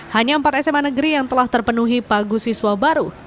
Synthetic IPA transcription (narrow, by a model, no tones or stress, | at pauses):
haɲaəmpat̪ɛsɛmanəɡəɾijaŋt̪əlaht̪ərpənuɦipaɡusiswabaɾu